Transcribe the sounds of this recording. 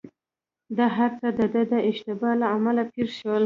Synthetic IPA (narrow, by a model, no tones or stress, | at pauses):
d̪ɑɦaɾt͡səd̪əd̪əd̪əʔɪʃt̪ɪbɑlaamalapiɾʃəwəl